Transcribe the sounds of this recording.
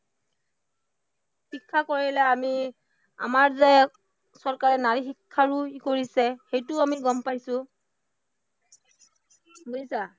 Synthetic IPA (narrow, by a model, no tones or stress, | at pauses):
xikʰːakoɹilɛami | a̰maɹzɛ | sɔɹkaɹɛnaɹixikʰːaɹukoɹisɛxejtʊamiɡɔmpajsʊ | buisa